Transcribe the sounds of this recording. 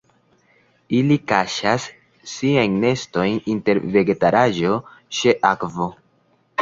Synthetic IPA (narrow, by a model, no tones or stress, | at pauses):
ilikaʃasː | iajnne̞sto̞jninte̞ɾve̞ɡe̞taɾaʒo̞t͡ʃeʔakvo̞